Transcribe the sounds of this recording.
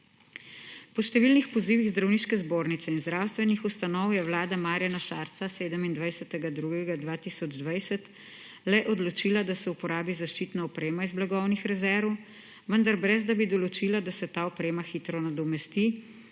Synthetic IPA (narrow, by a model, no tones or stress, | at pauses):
pɔʃt̪ɛʋiːlnixpɔziːʋiɣzd̪ɾawniːʃkɛzboːɾnit̪sɛinzd̪ɾawst̪ʋɛnixust̪anɔwjɛwlaːd̪amaːɾjanaʃaːɾt̪saseːd̪əmind̪ʋajsɛt̪ɛɡad̪ɾuɡɛɡad̪ʋaːt̪isɔd͡ʒd̪ʋajsɛt̪ | lɛʔɔd̪lɔt͡ʃiːlad̪asɛupɔɾaːbizaʃt͡ʃiːt̪naɔpɾeːmaizblaɡɔwnixɾɛzɛɾʋɔw | ʋənd̪aɾbɾɛzd̪abid̪ɔlɔt͡ʃiːlad̪asɛt̪aːɔpɾeːmaxit̪ɾɔnad̪ɔmɛst̪i